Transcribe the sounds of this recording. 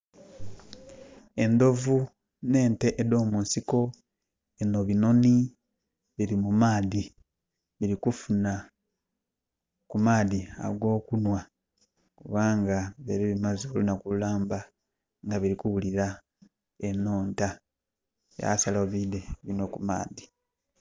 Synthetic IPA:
e̞ndo̞vu | ne̞ːnte̞ʔeðo̞ːmunsiko̞ | enoβino̞ni | βiɾimumaːði | βiɾikufuna | kumaːðia̰ɡwo̞ːkunwa | kuβaːŋɡaβeɾiβimaziβulunakululaːmba | ŋɡaβiɾikuβuliɾa | eno̞ːnta | ja̰saloβideβino̞kuma̰ːði

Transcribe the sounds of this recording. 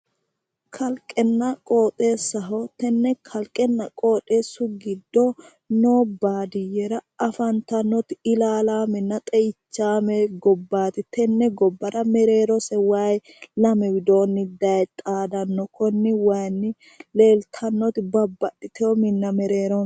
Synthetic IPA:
kʰɐlkʼɛnːɐkʼo̞ːt̪ʼeːsɐɦɔt̪ɛnːɛkʰɐlkʼɛnːɐkʼoːᶑʼeːsʊɡɪd̪ːɔ | noːbaːd̪ɪjɛɾɐɐfɐnt̪ɐnːɔt̪ɪɪlaːlaːmɪnːɐt̪ʼɛjɪt͡ʃːaːmɛɡɔbːaːt̪ɪt̪ɛnːɛɡɔbːɐɾɐmɛɾeːɾɔsɛwaj | lɐmɛwɪd̪o̞ːnːɪd̪ɐjt̪ʼaːd̪ɐnːɔkʰɔnːɪwɐjnːɪ | le̞ːlt̪ʰɐnːɔt̪ɪbɐbːɐɗɪt̪ʰɛɔmɪnːɐmɛɾe̞ːɾɔn

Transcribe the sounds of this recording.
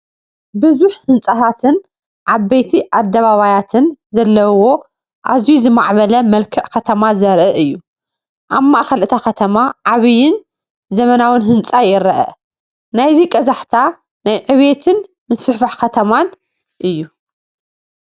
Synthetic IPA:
bɨzuħhɨnt͡sʼɐt̪ʰat̪ʰɨn | ʕaβɐjt̪ʰiʔad̪ːɐβaβajat̪ʰɨnzɐlːɐwo̞ | ʔa̰zijuzɨmaʕβɐlɐmɐlkʰɨʕkʰɐt̪ʰɐmazɐɾʔɐʔɨjːu | ʔaβmːaʔkɐlʔɨt̪ʰaxɐt̪ʰɐmaʕaβɨjɪn | zɐmɐnawɨnɦɨnt͡sʼajɪɾɐʔɐ̰ | najzikʼɐzaħt̪ʰa | najʕɨβet̪ʰɨn | mɨsfɨħfaħkɐt̪ʰɐman | ʔɨjːu

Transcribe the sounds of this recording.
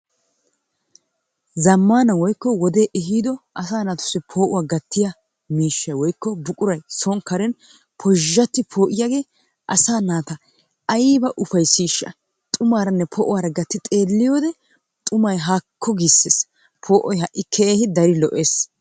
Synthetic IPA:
zɐmːaːnɐwɔjkːɔwɔd̪e̞ːʔɦiːd̪ɔʔɐsaːnaːt̪ʊ̥sːɪpʰo̞ːʔʊwaːɡɐt̪ːɪjɐ | miːʃːɐjwɔjkːɔbʊkʼʊɾɐjsɔŋkɐɾɛn | pʰɔʒːɐt̪ːɪpʰo̞ːʔɪjaɡe̞ː | ʔɐsaːnaːt̪ɐ | ɐjbɐʔʊfɐjsiːʃɐ̰ | t̪ʼʊmaːɾɐnːɛpʰɔʔʊwaːɾɐɡɐt̪ːɪt̪ʼeːlːɪjoːd̪ɛ | t̪ʼʊmɐjɦaːkʰːɔɡisːeːs | pʰoːʔɔjɦɐʔːɪkʰɛʔeːhɪd̪ɐɾɪlɔʔeːs

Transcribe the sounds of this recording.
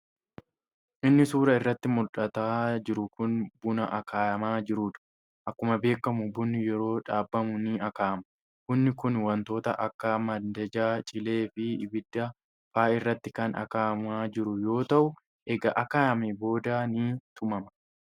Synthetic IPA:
ʔɪnːɪsuːɾɐɪrːɐt̪ːɪmʊlᶑɐt̪aːd͡ʒɪɾʊkʊnbʊnɐʔɐkʰaːjɐmaːd͡ʒɪɾuːᶑ̪ʊ̥ | ʔɐkːʊmɐbe̞ːkːɐmʊbʊnːɪjɛɾo̞ːᶑaːbːɐmʊniːɐkaːɐmɐ̥ | kʊnːɪkʊnwɐnt̪o̞ːt̪ɐ̰ʔɐkːamɐd̪ɐd͡ʒaːt͡ʃʼɪle̞ːfɪɪbɪd̪ːɐ | faːɪrːɐt̪ːɪkɐnɐ̰kaːɐmaːd͡ʒɪɾʊjo̞ːt̪ɐʔʊ | ʔɛɡɐʔɐkaːɐmebo̞ːd̪aːniːt̪ʰʊmɐmɐ̥

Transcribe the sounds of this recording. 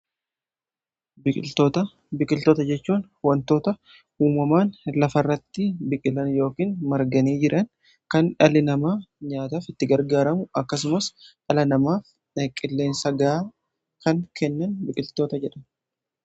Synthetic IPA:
bɪkʼɪlt̪oːt̪ɐ | bɪkʼɪlt̪oːt̪ɐd͡ʒɛt͡ʃːuːn | wɐnt̪o̞ːt̪ɐ | huːmɐmaːnlɐfɐrːɐt̪ːɪbɪkʼɪlɐnjo̞ːkiːnmɐɾɡɐniːd͡ʒɪɾʔɐn | kɐnᶑɐlɪnɐmaːɲaːt̪aːfɪt̪ːɪɡɐɾɡaːɾɐmʊʔɐkːɐs̬ʊmɐsʔɐlɐnɐmaːf | kʼɪlːe̞ːnsɐɡa | kɐŋkɛnːɐnbɪkʼɪlt̪o̞ːt̪ɐd͡ʒɛᶑɐn

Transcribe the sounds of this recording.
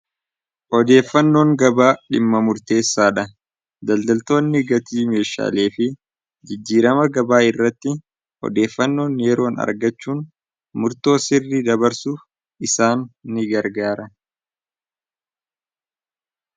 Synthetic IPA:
ʔɔd̪e̞ːfːɐnːo̞ːŋɡɐbaːᶑɪmːɐmʊɾt̪e̞ːsːaːᶑɐ | d̪ɐld̪ɐlt̪o̞ːnːɪɡɐt̪iːme̞ːʃa̰ːle̞ːfɪ | d͡ʒɪd͡ʒːiːɾɐmɐɡɐbaːɪrːɐt̪ːɪ | ɔ̰d̪e̞ːfːɐnːo̞ːnjɛɾo̞ːnɐ̰ɾɡɐt͡ʃːuːn | mʊɾt̪o̞ːsɪrːiːd̪ɐbɐɾsuf | ɪsaːnːɪɡɐɾɡaːɾɐ

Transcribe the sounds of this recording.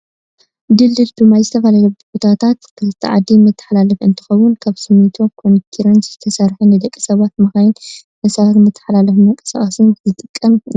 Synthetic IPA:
d̪ɨlːɨlbɨmajzɨt̪ʰɐfalajobbot̪ʰat̪ʰat̪kʰɨlɨt̪ʰːiʕa̰d̪ːimɨt̪ʰːɨ̥ħalalɐfɨnt̪ʰɨ̥xɐwːʊnkʰaβsɨmːit̪ʰokʰonit̪ʰiɾɐnszɨt̪ʰɐsɐɾħunɨd̪ɐkʼːi̥sɐβat̪mɐxajɪn | ʔɐsaɾmɨt̪ʰːɐ̥ħlalɐfmɐŋkʼɐ̥sa̰χʼɐsɨnzɨt̪ʼɨkʼːɐm

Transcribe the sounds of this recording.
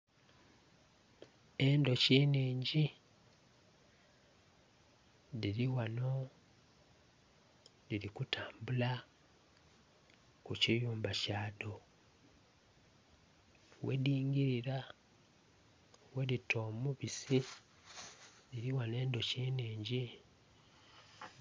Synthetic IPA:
e̞nd̪o̞ceːniːɲɟi | ðiɾiwano̞ | ðiɾikutaːmbula | kucijuːmbacaːdo̞ | wʔḛdiːŋɡiɾiɾa | we̞ɾito̞ːmuβisi | ðiɾiwane̞ːndo̞ceniːɲɟi

